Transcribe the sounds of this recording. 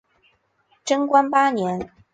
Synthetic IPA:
ʈ͡ʂə˥ŋkwa˥npa˥njɛ˧˥n

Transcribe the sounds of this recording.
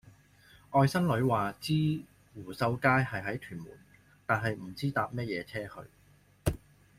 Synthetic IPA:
ʔɔː˧jsɐ˥nlɵ˨˧ɥwaː˨t͡siː˥ | wuː˨˩sɐ˧wkaː˥jhɐ˨jɦɐ˨˥jt̪ʰyː˨˩nmṵː˨˩n | t̪aː˨nɦɐ˨jm̩˨˩t͡siː˥t̪aː˧p̚mɛː˥t̚jɛː˨˧t͡sʰɛː˥hɵ̰˧ɥ

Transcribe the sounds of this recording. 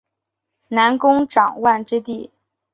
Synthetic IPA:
na˧˥nkʊ˥ŋʈ͡ʂɑ˨˩ŋwa˥˧nʈ͡ʂɻ̩˥t̪i˥˩

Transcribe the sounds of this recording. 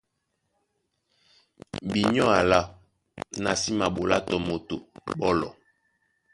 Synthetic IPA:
bi˨ɲɔ˦a˨la˦ | na˨si˦ma˨ɓo˨la˦tɔ˨mo˨to̰˨bɔ˦lɔ̰˨

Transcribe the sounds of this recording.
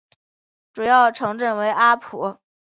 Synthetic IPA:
ʈ͡ʂu˨˩jɑ˥˩ʊʈ͡ʂʰɤ˧˥ŋʈ͡ʂə˥˩nwe˧˥ɪʔa˥pʰṵ˧˥

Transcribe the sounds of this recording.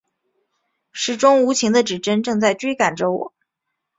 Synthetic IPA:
ʂɻ̩˨˩ʈ͡ʂʊ˥ŋu˧˥t͡ɕʰi˧˥ŋd̪ə˧ʈ͡ʂɻ̩˨˩ʈ͡ʂə˥nʈ͡ʂɤ˥˧ŋt͡sa˥˩ɪt͡ɕwe˥ka˨˩nʈ͡ʂo˧˥ʊw̰

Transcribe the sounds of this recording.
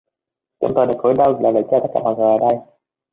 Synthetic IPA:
t͡ɕʊ̰˧˦ŋ͡mt̪oː˧˩ɗk̚o˨˦jɗə˧wlaː˨˩ə˨˩t͡ɕaː˧t̪ə˦˥kaː˧˩ma̰˨˩zəː˨˩ʔəː˧˩ɗə˧j

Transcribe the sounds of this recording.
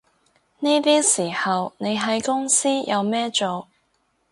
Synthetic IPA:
niː˥t̪iː˥siː˨˩hɐ˨wne˨˧jɦɐ˨˥jkʊ˥ŋsiː˥jɐ˨˧wmɛː˥t͡ʃo˨w

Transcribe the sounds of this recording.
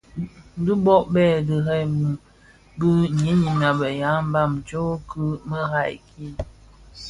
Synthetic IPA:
du˦bɔ˦ʔbɛ˦˨də˨ɦɛ˦˨jmu˨ | bɨ˦ɲe˦ɲi˨m˨a˨bə˨ja˨˦m̩˦ba˦˨mt͡ʃo˦kə˦mə˦ɦa˦˨jki˦

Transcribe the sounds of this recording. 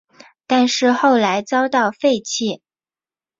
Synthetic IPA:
t̪a˥˧nʂɻ̩˥˧xo˥˩ʊla˧˥ɪt͡sɑ˥ʊt̪ɑ˥˩ʊfe˥˧ɪt͡ɕʰi˥˩

